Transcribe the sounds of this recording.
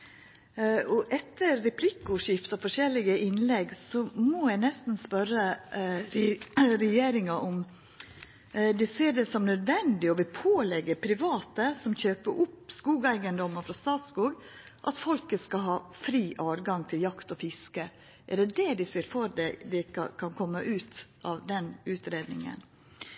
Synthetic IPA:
ɔʔɛt̪ːəɾːɛpʰlɪkːʊʂɪft̪ɑfɔʂɛlːɪɡəʔɪnlɛɡsɔmojæɪnɛst̪n̩spœɾə | ɾɛjeːɾɪŋɑʔɔm | d̪ɪseːɖɛsɔmnœd̪ʋɛnd̪ɪɔʋɪpʰoːlɛɡːəpʰɾɪʋɑːt̪əsɔmçøːpəɾʔʊpskuːɡæɪɡənd̪ɔməɾfɾɑst̪ɑːt̪skuːɡʔɑt̪fɔlkəskɑɦɑːfɾiːʔɑːɾɡɑŋt̪ʰɪljɑkt̪ɔfɪskə | ʔɛɖɛd̪ɛd̪ɪseːɾfɔɾd̪ɛd̪ɛ̰kʰɑnkʰɔmːəʔʉːt̪ʔɑʋd̪ɛnʉːt̪ɾeːd̪nɪ̰ŋə̰n

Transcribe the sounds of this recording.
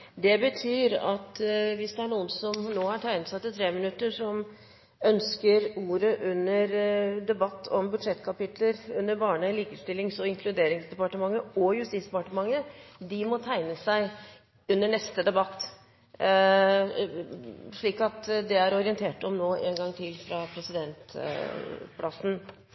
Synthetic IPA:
d̪ɛbət̪ʰyːɾɑt̪ʋɪsd̪ɛæɳuːənsɔmnoːhɑʈʰæɪnət̪sɑt̪ːɪt̪ʰɾeːmənʉt̪ːəʂɔm | œnskəɾuːɾəʔʉnːəɾd̪ɛbɑt̪ːɔ̰mbʉd̪ʂɛt̪ːkʰɑpɪt̪ʰləɾʉnːəɾbɑːɳəliːkəst̪ɪlːɪŋsɔɪŋkʰlʉd̪eːɾɪŋsd̪ɛpɑʈəmɑŋːəɔjʉst̪iːsd̪ɛpɑʈəmɑŋːəd̪ɪmɔt̪ʰæɪnəsæɪ | ʉnːəɳɛst̪əd̪ɛbɑt̪ː | ʂɭiːkɑt̪d̪ɛæɾɔɾɪənt̪ʰeːʈɔmnoːʔḛːnɡɑŋːt̪ʰɪlfɾɑpʰɾɛsɪd̪ɛnt̪ | pʰlɑsn̩

